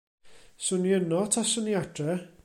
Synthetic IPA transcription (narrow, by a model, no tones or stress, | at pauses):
sʊnjənɔtʰasəniadʰrɛ